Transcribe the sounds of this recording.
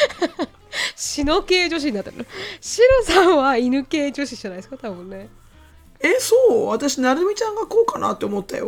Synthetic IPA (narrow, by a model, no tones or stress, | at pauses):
ɕino̞ke̞ːd͡ʑo̞ɕ̬ĩɲ̟inat̪ːeɾɯ̰noɕiɾosãɰ̃βainɯ̟ke̞ːd͡ʑo̞ɕiʑ̥anaid̪esɨ̥kat̪abɯ̟̃nːe̞ | esoːβat̪aɕinaɾɯ̟mʲit͡ɕãŋɡakoːkanʔa̰t̪ːe̞omo̞t̪ːa̰jo̰